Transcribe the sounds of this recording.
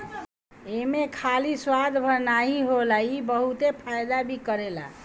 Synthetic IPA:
emekʰaliswad̪ʱbʱəɾnaɦiɦolaibəɦut̪epʰajd̪abʱikəɾela̰

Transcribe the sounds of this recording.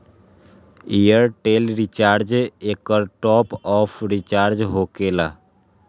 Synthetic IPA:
ijəɾʈelɾit͡ʃaɾd͡ʒekəɾʈɔpɔpʰɾit͡ʃaɾd͡ʒɦokela̰

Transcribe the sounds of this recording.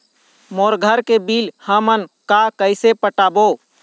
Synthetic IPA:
moːɾɡʱəɾkebiːlhəmənkakəɪsepəʈaːboː

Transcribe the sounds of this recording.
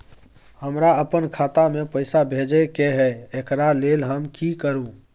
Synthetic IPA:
həmɾaəpənkʰaːt̪amẽpəɪsabʱed͡ʒekeɦɛekɾalelɦəmkikəɾũ

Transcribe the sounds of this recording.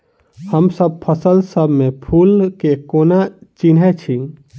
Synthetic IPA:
həmsəb̚pʰəsəlsəbʱmepʰulkekonat͡ʃinɦɛt͡ʃʰi

